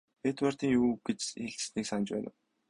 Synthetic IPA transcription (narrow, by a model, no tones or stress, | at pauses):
pet̪war̥t̪iːŋjuːɡ̥et͡ɕiɮt͡ɕ̆sniːksant͡ɕpæ̰ːnə̆w